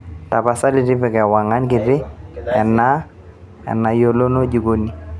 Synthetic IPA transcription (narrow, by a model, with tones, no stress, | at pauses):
ta˨pa˨sa˦lɪ˦˨tɪ˦pɪ˨kɛ˨wa˨ŋa˦nkɪ˨dɪ˦ɛ̰˨nːa˦ | ɛ̰˨nːa˨jo˦lo˦no˦d͡ʒu˨ɡo˦ni˨